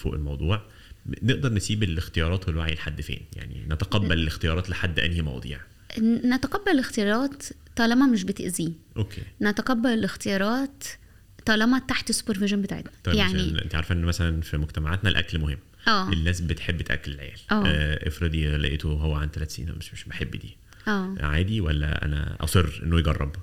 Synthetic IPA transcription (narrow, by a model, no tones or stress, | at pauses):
fo̰ːʔḛlmɑwd̪ˤuːʕ | neʔd̪ɑɾˤnesiːbelext̪ejɑɾˤɑːt̪felwaʕilħad̪ːfḛːnja̰ʕnḭnæt̪æqɑbːælelext̪ejɑːɾˤɑːt̪leħad̪ːʔæ̰nhimɑ̰wɑ̰d̪ˤḭːʕ | næt̪æqɑbːælelext̪ejɑɾˤɑːt̪ː | ɑlɑmɑmeʃ̬bet̪ḛʔziːʔokʰːḛːnæt̪æqɑbːælelext̪ejɑːɾˤɑːt̪ː | ɑlɑmɑt̪ːaħt̪esːu̥peɾveʒænbet̪aːʕḛt̪næ̥ˤjaʕniʔḛnt̪iʕaɾfæʔenːmæsælænfimoɡt̪æmaʕat̪nælʔæ̰klmohemː | ʔæːʔelːæːsbet̪ħebːet̪ʔæ̰kːelelʕḛjæ̰ːlʔæːʔefɾɑd̪ilæ̰ʔḛːt̪oɦowːæʕand̪t̪ːælæːt̪sḭːnæ̰meʃmeʃbeħebːd̪ḭː | ʔæːʕaːd̪iwælːæ̰ʔæ̰næ̰ʔɑ̰sˤerːʔḛnːojeɡɑrˤːɑ̰b